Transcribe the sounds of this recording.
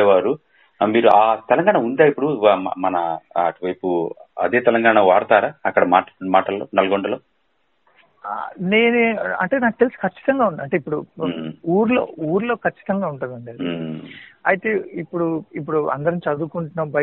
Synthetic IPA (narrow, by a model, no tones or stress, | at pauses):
ʋaːɾu | miːɾuʔaːt̪ɛlɐŋɡaːɳaund̪aːipːuɽṵmɐnɐɐ̰ʈuʋɐjpuɐ̰d̪eːt̪ɛlɐŋɡaːɳaʋaːɾt̪aːɾaːɐkːɐɽɐmaːʈmaːʈɐlːo̰ːnɐlɐɡoɳɖɐloː | neːnuɐ̰ɳʈe̞ːnaːk̚ʈelskɐt͡ʃːi̥t̪ɐŋɡaːuɳɖd̪ɐɳʈeipːuɽuuːɾlo̞̰ːuːɾlo̞ːkɐt͡ʃːi̥t̪ɐŋɡaːuɳʈund̪ɐɳɖii | ɐjt̪e̞ːipːuɽuipːuɽuɐ̰nd̪ɐɾɐnit͡ʃɐd̪uːkuɳʈunɐmbɐ